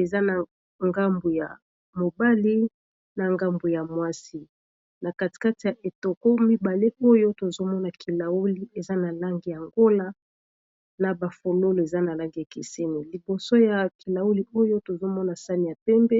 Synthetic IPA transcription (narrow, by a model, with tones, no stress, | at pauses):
e˨za˦na˨ | ŋɡa˦mbu˨ja̰˨ | mo˨ba˦li˦ | na˨ŋɡa˦mbu˨ja˨mwa˦si˦ | na˨ka˨ti̥˨ka˦ti˨ja˨ʔe˨to˨ko˦mi˦ba˨le˦ʔo˦jo˦to˨zo˦mɔ˦na˨ki˨la˨u˦li˦e˨za˦na˨la˦ŋɡi˨ja˨ŋɡo˦la˦ | na˨ba˨fo˨lo˦lo˨e˨za˦na˨la˦ŋɡi˨ja˨kḛ˨se˦ni˨li˨bo˨so˦ja˨ki˨la˨wu˦li˦o˦jo˦to˨zo˦mɔ˦na˨sa˦ni˨ja˨pɛ˦mbɛ˦